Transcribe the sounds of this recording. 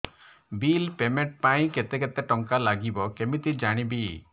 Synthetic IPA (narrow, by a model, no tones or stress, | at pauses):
bilpemeɳʈ̚paĩket̪eket̪eʈɔŋkalaɡibɔkemit̪id͡ʒaɽ̃ibi